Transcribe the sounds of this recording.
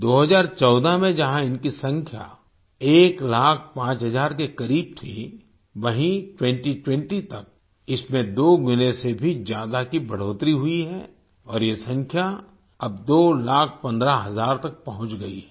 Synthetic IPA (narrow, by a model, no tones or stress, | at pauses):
d̪oːɦɐzaːɾt͡ʃɔːd̪amẽd͡ʒɐɦãɪnkisɐ̃ŋkʰja̰ | eːklaːk̚ʰpãːt͡ʃɦɐzaːɾkekɐɾiːb̚t̪ʰẽ | ʋɐɦĩʈwɛ̃ɳʈiʈwɛ̃ɳʈit̪ɐk̚ | ɪsmẽd̪oːɡʊnesebʱizjaːd̪akibɐɽ̤oːt̪ɾiɦʊiɦɛː | ɔːɾjesɐ̃ŋkʰja | ɐb̚d̪oːlaːk̚ʰpɐ̃nd̪ɾaɦɐzaːɾt̪ɐk̚pɐɦʊ̃t͡ʃɡɐḭ